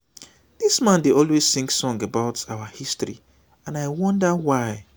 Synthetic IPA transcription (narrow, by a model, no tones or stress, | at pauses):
d̥ismãndeɔlˠwez̥sĩŋksɔ̃ŋɡəbaʊtaʊəhistɹḭ | ãnaɪwʌ̃ndəwaɪ